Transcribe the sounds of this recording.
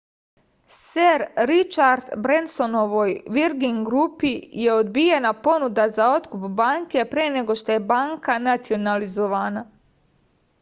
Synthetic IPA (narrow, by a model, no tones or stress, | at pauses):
seɾɾit͡ʃaɾd̪bɾenso̞no̞ʋo̞jʋiɾɡiŋɡɾupije̞od̪bijenapo̞nud̪azao̞t̪kupbaŋke̞pɾene̞ɡo̞ʃt̪o̞je̞baːŋkanat̪sio̞nalizo̞ʋaːna